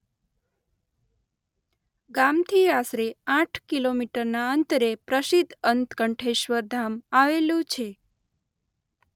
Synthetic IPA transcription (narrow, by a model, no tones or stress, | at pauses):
ɡamt̪ʰiasɾeãʈʰkilomiʈəɾnaənt̪əɾepɾəʃid̪ʱənt̪kəɳʈʰeʃʋəɾd̪ʱamaʋelũt͡ʃʰe